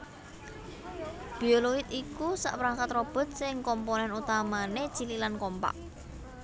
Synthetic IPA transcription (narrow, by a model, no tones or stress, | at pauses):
b̥i̤oloɪt̪ikusa̰ʔpɾaŋkat̪rɔb̥ɔ̤t̪̚sɪŋkɔmponɛnut̪amane̥t͡ʃililankɔmpa̰ʔ